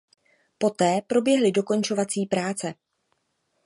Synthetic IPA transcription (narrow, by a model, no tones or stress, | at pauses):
po̞t̪ɛːpɾo̞bjɛɦlɪdo̞ko̞nt͡ʃo̞vat͡siːpɾaːt͡sɛ